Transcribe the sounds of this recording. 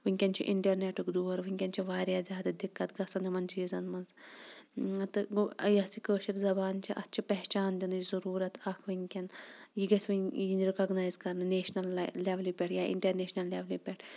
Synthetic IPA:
ʋɨŋʲkʲɐnt͡ʃʰḭʔiɳʈɐɾneʈukd̪uːɐɾʋɨŋʲkʲɐnt͡ʃʰiʋaːɾjaːzʲjaːd̪ɐd̪ikːɐt̪ɡɐsɐnimɐnt͡ʃʰiizɐnmɐns | t̪ɨjɐsikəːʃiɾzɐbaːnt͡ʃʰiʔɐ̰t̪ːt͡ʃʰipɐɦt͡ʃaːnd̪inɨjizɐɾuːɾɐt̪ɐkʰʋiŋʲkʲɐnjiɡɐsʋijinɾikɐɡnaːjzkɐɾnɨneːʃnɐlːeʋlʲjupʲɛʈʰjaːʔḭɳʈɐɾneːʃnɐlːeʋlʲupʲɛʈʰ

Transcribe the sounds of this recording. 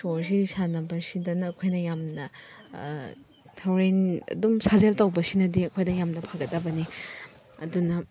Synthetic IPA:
soɾs̬isanɐbɐsidɐnɐːkʰojnɐjamnɐ | tʰawɾenɐ̰dumsazeltɐwbɐsinɐdiɐkʰojdɐjamnɐpʰaɡɐtːɐbɐni | ɐdunɐ

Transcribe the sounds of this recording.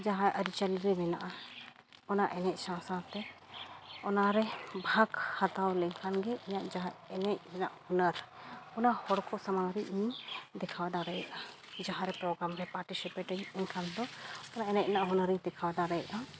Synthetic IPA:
d͡ʒaɦãʔəɾit͡ʃəlɾɛmɛna̰ʔa | ɔnaʔɛnɛc̚sãsat̪ɛ | ɔnaɾɛbʱakhat̪awlɛɲkʰanɡɛʔiɲaʔd͡ʒaɦaɛnɛc̚ɛnaʔhunəɾɔnahɔɽkɔsamaɾiʔid̪ɛkʰawad̪aɾɛjʔa | d͡ʒaɦãɾɛpɾɔɡɾamɾɛpaɾʈisipeʈəɲɛɲkʰand̪ɔɔnaʔɛnɛc̚ɛnaʔɦunəɾiɲd̪ɛkʰawad̪aɾɛjaʔa

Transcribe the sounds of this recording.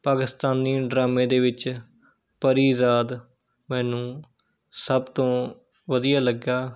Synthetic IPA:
paːkɪst̪aːnːiːɖɾaːmẽːd̪eːʋɪt͡ʃ | pəɾiːzaːd̪ | mɛ̃ːnũː | səbt̪õː | ʋəd̪ɪjaːləɡjaː

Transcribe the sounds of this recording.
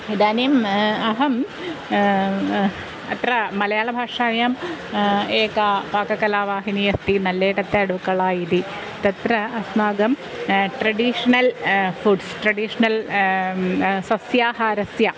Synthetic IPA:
id̪aːnijmɐɦɐm | ɐt̪rɐmɐlɐjaːɭɐbʱaːʂaːjaːm | eːkaːpaːkɐkɐlaːʋaːɦinijɐst̪inɐlːeːɽɐt̪ːeɐɽukːɐɭaːjiði | t̪ɐt̪rɐɐsnaːɡɐm | ʈrɐɽiʂɐnɐlfuɖsʈrɐɽiʂɐnɐl | sɐsjaːhaːɾɐsjɐ

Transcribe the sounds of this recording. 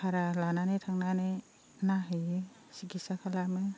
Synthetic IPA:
kʰaɾalananɯtʰaŋnanɯ | naɦɯ | siɡisakʰalamɯ

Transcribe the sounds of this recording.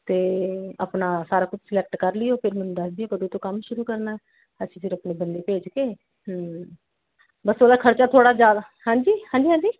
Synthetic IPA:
t̪eːəpnaːsaːɾaːkʊt͡ʃʰsɪlɛk̚ʈkəɾlɪjoːpʰɪɾmɛnːd̪əsd̪ɪjoːkəd̪uːt̪õːkəmʃʊɾuːkəɾnaː | əsĩːfʰɪɾəpneːbənd̪eːpeːd͡ʒkeː | bəsoːlaːkʰəɾt͡ʃaːt̪ʰoːɽaːd͡ʒjaːd̪aː | ɦãːɲd͡ʒiːhãːɲd͡ʒiːɦãːɲd͡ʒiː

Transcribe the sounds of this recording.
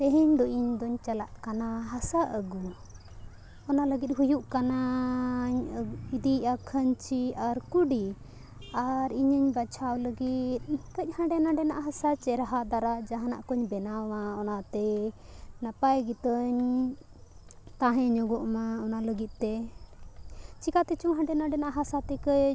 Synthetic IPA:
t̪ɛɦəɲd̪ɔʔiɲd̪ɔɲt͡ʃala̰ʔkanaɦasaʔəɡu | ɔnaləɡit̪̚ɦujuʔkana | ɲəid̪iʔakʰəɲt͡ʃʰiaɾkuɖi | aɾiɲəɲbat͡ʃʰawləɡit̪̚kəc̚hãɖɛnaɖɛna̰ʔaɦasat͡ʃɛɾaɦad̪aɾad͡ʒaɦãna̰ʔkɔɲbɛnawaɔnat̪ɛ | napajɡit̪əɲ | t̪aɦɛ̃ɲɔɡɔʔmaɔnaləɡit̪̚t̪ɛ | t͡ʃikat̪ɛt͡ʃuŋɦãɳɖɛnaɖɛnaʔaɦasat̪ɛkəj

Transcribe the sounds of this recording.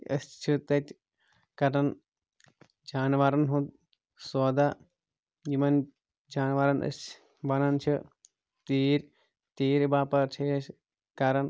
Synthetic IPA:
əsʲt͡ʃʰɨt̪ɐt̪ʲ | kɐɾɐn | d͡ʒaːnʋaɾɐnɦut̪̚ | soːd̪a | jimɐn | d͡ʒaːnʋaɾɐnʔə̰sʲ | bɐnɐnt͡ʃʰɨ | t̪iːɾʲ | t̪iːɾʲbaːpɐɾt͡ʃʰeːʃ | kɐɾɐn

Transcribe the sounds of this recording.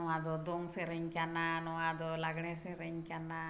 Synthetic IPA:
ɔwad̪ɔd̪ɔŋsɛɾeɲkananɔwad̪ɔlaɡɳɛsɛɾɛɲkana

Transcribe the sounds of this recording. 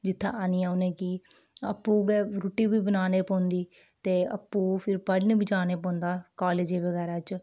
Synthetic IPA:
d͡ʒɪt̪ʰːã̰ːaːniːaːʊnẽːkiː | əpːuːɡɛɾuːʈiːbiːbənaːneːpɔ̃ːnd̪iː | t̪eːə̰pːuːpʰɪɾpəɖneːbiːd͡ʒaːneːpɔ̃ːnd̪aːkaːleːd͡ʒeːʋəɡɛːɾaːt͡ʃ

